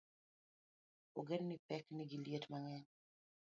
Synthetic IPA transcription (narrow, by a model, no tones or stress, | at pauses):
oɡennipɛkniɡiljetmaŋɛɲ